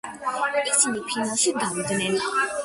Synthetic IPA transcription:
isinipʰinaʃid̪avid̪nɛn

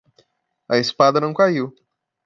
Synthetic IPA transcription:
ɐespad̪ɐnɐ̃w̃kaiw

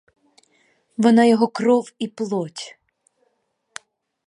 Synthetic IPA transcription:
ʋɔnɑjɔɦɔkɾɔwiplˠɔtʲ

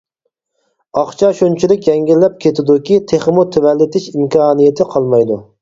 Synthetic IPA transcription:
ɑχt͡ʃʰɑʃont͡ʃʰilɪkʲjɛŋɡʲilːɛp̚kʲʰet̪ʰɪd̪ukʲit̪ʰeχmut̪ʰewɛlːɪt̪ʰɪʃimkʰɑːnijet̪ʰɪqʰɑlˠmɑjd̪u

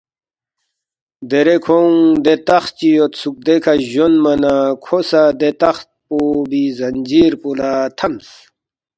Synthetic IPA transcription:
d̪eɾekʰoŋd̪et̪ɐχt͡ɕijot̪suk̚d̪ekʰaʑonmɐnakʰosad̪et̪ɐχt̪̚pobizɐnd͡ʑiːɾpolat̪ʰɐms

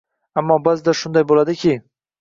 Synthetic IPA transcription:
amːɒbazd̪aʃʊnd̪ajbolad̪ɪkʲʰɪ

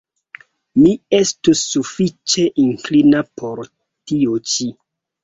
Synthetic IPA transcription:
miestusːufit͡ʃe̞ʔiŋklinapʰo̞ɾ | tiot͡ʃi

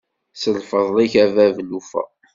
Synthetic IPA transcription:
səlfəðˤliçævævlufæ̰

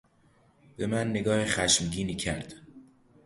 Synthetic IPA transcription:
b̥e̞mænːe̞ɡɒːhexæʃmɟiːniːcʰæɾd̪̥

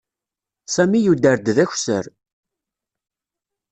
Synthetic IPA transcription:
sæmijud̪əɾd̪ðæçʷsə̰ɾ

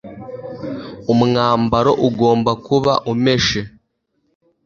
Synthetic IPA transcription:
umuŋaːmbaɾo̞ʔuɡo̞ːmbakuβa̰ʔume̞ʃe

